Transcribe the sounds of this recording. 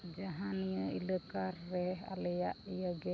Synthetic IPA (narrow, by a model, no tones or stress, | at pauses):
d͡ʒaɦanijəiləkarːɛa̰lɛjaʔijəɡɛ